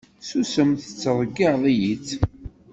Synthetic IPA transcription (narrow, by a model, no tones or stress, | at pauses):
susəmθə̥t͡sːəɾˤəɡːiðˤijit͡sː